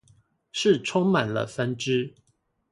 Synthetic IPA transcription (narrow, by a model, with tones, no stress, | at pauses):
ʂɻ̩˥˨ʈ͡ʂʰʊ˥ŋma˨˩nlə̰˦fə˦nʈ͡ʂɻ̩˥